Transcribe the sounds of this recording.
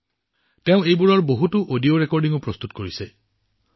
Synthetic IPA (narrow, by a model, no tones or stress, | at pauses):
teʊ̃ejbuɹɔɹboɦutuʔodioɹekɔɹɖiŋupɹɔst̪ut̚koɹise